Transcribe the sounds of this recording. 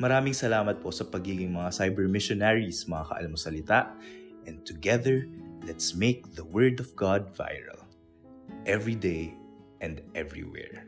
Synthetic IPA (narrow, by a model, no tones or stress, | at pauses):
mɐɾaːmɪŋsɐlaːmɐt̪̚posɐpɐɡiːɡɪŋmɐŋasajbɛɹmɪʃonaɹismɐŋakɐ̰ʔɐ̰lamosɐlɪt̪aʔʔɛ̃n̚t̪ʊɡɛðɛɹlɛt̪smeɪk̚ðɐwɛɹd̪ɔvɡad̪̚va̰jɹɐ̰l | ʔɛvɹid̪ej | ʔɛ̃nd̪ʔɛvɹḭwɛ̰ɹ